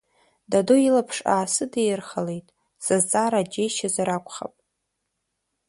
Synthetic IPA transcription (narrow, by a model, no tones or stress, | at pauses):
dadojilapʰʂa̰ːsɨdejrχale̞jtʼ | sazt͡sʼaːɾad͡ʒejʃazaɾakʷʰʼχa̰pʼ